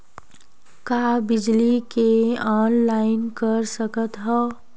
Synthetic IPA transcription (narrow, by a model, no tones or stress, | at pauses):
kaːbɪd͡ʒlikeɔːnlaːɪnkəɾsəkət̪ɦɛ